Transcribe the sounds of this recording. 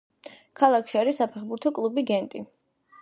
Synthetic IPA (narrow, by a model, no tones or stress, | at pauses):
kʰalˠakʰʃiaɾisapʰɛχbuɾt̪ʰɔkʼlˠubiɡɛnt̪ʼi